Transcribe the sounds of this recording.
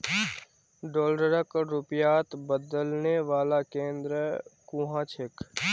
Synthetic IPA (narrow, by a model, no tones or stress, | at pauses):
ɖoːlɾəɾəkɾʊpjaːt̪bəd̪əlneʋaːlakẽːnd̪ɾəkũːɦãːt͡ʃʰɪk